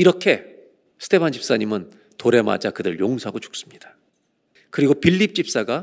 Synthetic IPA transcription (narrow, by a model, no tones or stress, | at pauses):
iɾʌkʰe̞ | sʰɯ̥d̥e̞pʰand͡ʑʰip̚s͈aɲimɯn | toɾe̞ma̰d͡ʑakɯdɯɾɯɭjoŋsʰaɡot͡ɕu̥k̚s͈ɯ̥mɲid̥ḁ | kɯɾiɡopiʎːip̚t͡ɕ͈ip̚s͈aɡa